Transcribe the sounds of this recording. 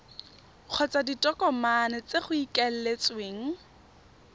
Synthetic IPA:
q͡χʰɔt͡saditʼɔkɔmanɛt͡seχʊikɛl̩let͡sweːŋ̩

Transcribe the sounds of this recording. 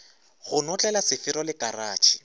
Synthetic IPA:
ɣʊnɔt͡ɬʼɛlasɪfɪɾɔlɪkʼaraːt͡ʃʰi̥

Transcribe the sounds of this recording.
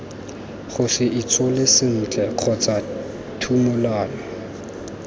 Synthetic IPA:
χʊsɪʔit͡sʼɔlɪsɪn̩ːt͡ɬʼɛq͡χʰɔt͡sʼa | tʰumʊlaːlɔ

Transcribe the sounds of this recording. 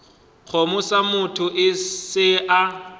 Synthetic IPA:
k͡xʰomʊsamʊtʰʊʔɪsɪʔa

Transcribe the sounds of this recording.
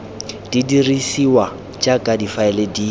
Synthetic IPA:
d̥idirisiwa | t͡ʃʼakʼadifaɛlediː

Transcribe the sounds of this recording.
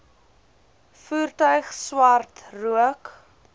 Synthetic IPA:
fuːrtœɥχswɐrtruək

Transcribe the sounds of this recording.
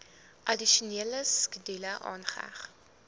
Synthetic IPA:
ʔɐdiʃuniələskədiləʔɑ̰ːnχə̰æ̰χ

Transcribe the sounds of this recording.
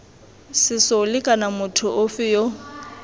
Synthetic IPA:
sɪsɔlɪkʼanamʊtʰʊʔʊfɪjo

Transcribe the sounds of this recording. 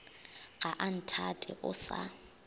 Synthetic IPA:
ɣaʔan̩tʰatʼɛ̰ʔʊsa̰

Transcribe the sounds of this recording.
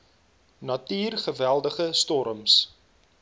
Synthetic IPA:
nɐtiːrχəvælˠdəχəstɔɾəms

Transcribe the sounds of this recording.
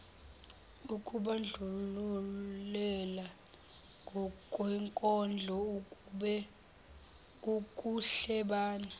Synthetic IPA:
ukʼuɓand͡ɮʱululɛla | kwɛŋkʼɔnd͡ɮʱɔ | ukʼuɬɛɓaːna

